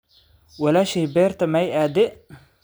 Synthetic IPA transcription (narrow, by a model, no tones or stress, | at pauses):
wɐlaːʃɛjbɛːrt̪ʰɐmɐjaːd̪ɛ